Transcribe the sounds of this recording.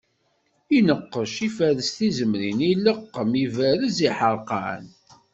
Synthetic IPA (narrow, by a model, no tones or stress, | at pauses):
inəqːəʃifæðəst̪izəmɾiniləqːəmivæɾəziħəɾˤqɑ̰n